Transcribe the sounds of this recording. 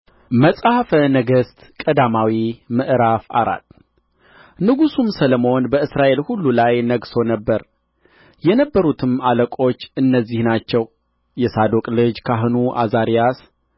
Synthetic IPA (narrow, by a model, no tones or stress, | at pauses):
məsʼahfənəɡəst̪kʼəd̪amawimɨʔɾafa̰ɾa̰t̪ | nɨɡusumsələmo̞nbəɨsɾaʔe̞lhulːulajnəɡso̞nəbːəɾ | jɛnəbːəɾut̪ʰɨmaləkʼo̞t͡ʃːɨnːəzːihnat͡ʃːɛw | jɛsad̪okʼlɨd͡ʒkʰaɦɨnuʔa̰zaɾijas